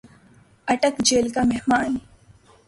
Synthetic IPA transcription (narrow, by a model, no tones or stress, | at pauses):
ɐʈəkd͡ʒeːlkamɛɦmaːn